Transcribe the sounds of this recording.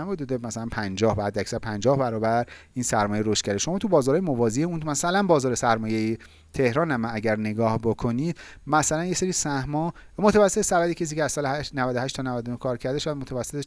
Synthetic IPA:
mbud̪ud̪emæsælænpʰænd͡ʒɒːhbæd̪ːeæcsæɾpʰænd͡ʒɒːhbæɾɒːbæɾiːnsæɾmɒːjejɾoʃt̪̚cæɾeʃo̞mɒːt̪ʰubɒːzɒɾɒːjemovɒːzieunmæsælænbɒːzɒːɾe̞sæɾmɒːjeje | t̪ʰe̞hɾɒːnæmænæɟæɾne̞ɡɒːhbokʰo̞niːd̪mæsælænje̞se̞ɾiːsæhmɒː | mot̪ʰævæsːeesævæd̪icʰes̬iceæz̥sɒːleæʃnævæd̪ohæʃt̪ʰɒnævæd̪onohkʰɒːɾcʰæɾd̪eʃæd̪mot̪ʰævæsːet̪e

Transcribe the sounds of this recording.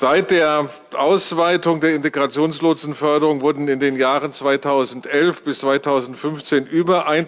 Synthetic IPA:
z̥aɪt̚d̥eːɐ | ʔaʊsv̥aɪtʊŋdeːɐɪnteɡʁat͡sjoːnsloːzn̩fœɐdəʁʊŋvʊɐdn̩ɪndeːnjaːʁənt͡sv̥aɪtʰaʊzn̩tʔɛlfb̥ɪst͡sv̥aɪtʰaʊzn̩tfʏnft͡seːnʔyːbɐʔaɪn

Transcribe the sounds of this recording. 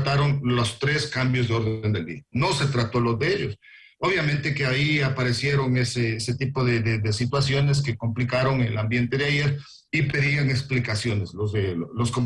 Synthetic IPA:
t̪aɾo̞nlost̪ɾe̞skambjo̞zðeo̞ɾðee̞nd̪e̞ld̪ḭano̞se̞t̪ɾat̪o̞lo̞zðeeʝos | oβ̞jamẽ̞nt̪e̞keaiapaɾe̞sje̞ɾo̞ŋe̞seeset̪ipo̞ðeðed̪esit̪wasjo̞ne̞s̬ke̞ko̞mplikaɾo̞ŋelambje̞nt̪e̞ðeaʝe̞ɾ | ipe̞ðiaŋe̞ksplikasjo̞ne̞slozðelosko

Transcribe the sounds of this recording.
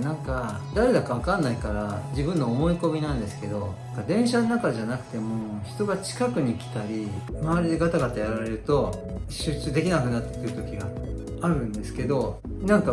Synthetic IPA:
nãŋka | d̪aɾe̞d̪akaβ̞akãnːaikaɾad͡ʑibɯ̟̃nːo̞ːmo̞iko̞mʲinãnd̪e̞sɨ̥ke̞d̪o̞nakad̪ẽ̞ɰ̃ɕanonakaʑanakɯ̟̥t̪e̞mo̞çi̥t̪o̞ɡat͡ɕi̥kakɯ̟ɲ̟ikʲi̥t̪aɾʲimaβaɾʲid̪eɡat̪aɡat̪ajaɾaɾe̞ɾɯ̟t̪o̞ | ɕɨt͡ɕɨːd̪e̞kʲinakɯ̟nat̪ːe̥t̪ːɯɾɯ̟t̪o̞kʲiɡaː | ɾɯ̟̃nd̪e̞sɨ̥ke̞d̪o̞ | nãŋka

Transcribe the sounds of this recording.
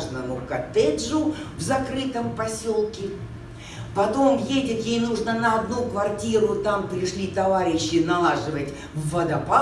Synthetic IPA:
ʐnənʊkɐt̪ɛʐʊvzɐkɾɨt̪əmpɐsʲo̞lˠkʲɪ | pɐt̪o̞mjedʲɪt̪jejnuʐnənəɐd̪nukvɐrtʲiɾʊt̪ampɾʲɪʂlʲit̪ɐvaɾʲɪɕːɪnɐlˠaʐɨvətʲ | vːəd̪ɐpa

